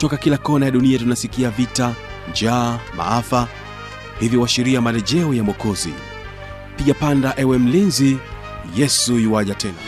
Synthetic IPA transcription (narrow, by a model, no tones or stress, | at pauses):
tɔkakilakɔnajaɗuniatunasikiavita | nd͡ʒaːma̰afa | hivjiwaʃiɾiamalɛʄɛɔjamɔkɔzḭ | piɠapandaʔɛwɛm̩linzi | jɛsuiwaʄatʰɛna